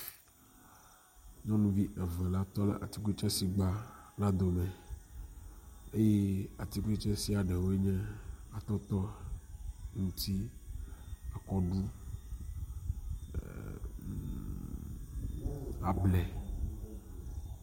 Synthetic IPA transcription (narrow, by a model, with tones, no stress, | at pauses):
ɲɔ̃˦nũ˦vi˦ʔɛ˨vɛ̃˨la˦t̪ɔ˦lɛ̰˦˨ʔa˨t̪i˨˦ke˦t͡ʃɛ˦si˨ɡ͡ba˦la˦d̪o˨mɛ̃˨ | e˦je˦a˨t̪i˦ku˦e˦t͡ʃɛ˦si˦a˨ɖɛ˨wo˦e˦ɲɛ̃˦a˨t̪ɔ˦t̪ɔ˦ | ŋũ˦t̪i˦ | a˨kɔ˦ɖu˦ | a˨blɛ˨